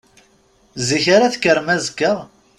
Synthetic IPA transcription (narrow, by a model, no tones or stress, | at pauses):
ziçaɾaθkːəɾmæzkːəʁ